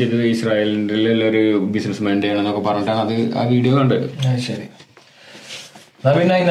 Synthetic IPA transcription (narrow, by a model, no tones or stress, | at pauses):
ejt̪ɐðɐisraːjeːlndilelːoɾubisnɐsmeːnɖejaːɳenːokːepɐrɐɲːuʈːaːɳɐðɨa̰ːʋiːɽijouɳɖɐlṵɕɐɾi | nɐminːajin